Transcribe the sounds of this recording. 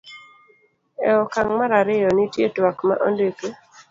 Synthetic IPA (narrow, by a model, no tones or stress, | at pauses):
ɛɔkaŋmaɾaɾɪjɔnitjetwakma̰ʔo̰ndeke